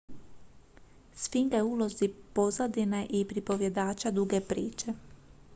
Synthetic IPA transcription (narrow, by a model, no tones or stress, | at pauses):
sfiŋɡeuːlˠozipo̞zad̪ineʔipɾipo̞ʋje̞d̪aːt͡ʃad̪uɡepɾiːt͡ʃe